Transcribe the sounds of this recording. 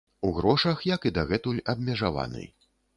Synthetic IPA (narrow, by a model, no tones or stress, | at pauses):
uɣɾɔʂɐxjɐkid̪aɣɛt̪ulʲɐbmʲɛʐava̰nɨ̰j